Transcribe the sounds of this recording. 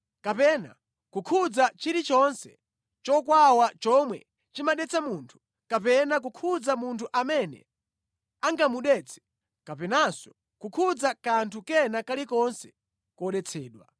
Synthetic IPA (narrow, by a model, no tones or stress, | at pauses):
kapɛna̰ | kukʰud͡zat͡ʃiɾit͡ʃɔnsɛ̰ | t͡ʃɔkwawat͡ʃɔmwɛ̰ | t͡ʃimaɗɛt͡sʰamuntʰu̥ | kapɛnak̬ukʰud͡zamuntʰuʔamɛnɛ̰ | aŋɡamuɗɛt͡sʰɛ̥ | kapɛnasɔ̥ | kukʰud͡zakantʰukɛnakalikɔnsɛ̥ | kɔɗɛt͡sʰɛːɗwa̰